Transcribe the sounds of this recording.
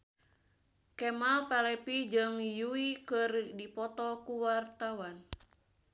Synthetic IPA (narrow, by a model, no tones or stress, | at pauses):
kɛmalpalɛpid͡ʒɨŋjuikərdipɔt̪ɔkuwart̪awan